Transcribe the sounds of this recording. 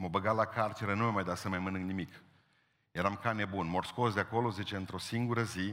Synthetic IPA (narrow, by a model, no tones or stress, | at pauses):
məbəɡalakʰart͡ʃeɾənumamajd̪asəmajmɨnɨŋɡnimik | jeɾamkane̞bunmorsko̞sd̪eako̞lo̞zit͡ʃeɨnt̪ɾo̞siŋɡuɾəzi